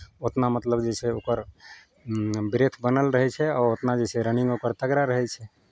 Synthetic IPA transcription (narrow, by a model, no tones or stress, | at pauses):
ot̪namət̪ləbd͡ʒesɛokəɾ | bɾet̪ʰbənəlɾəɦɛt͡ʃʰɛɔot̪nad͡ʒɛsɛɾəniŋɡokəɾt̪əɡɾaɾəɦɛt͡ʃʰɛ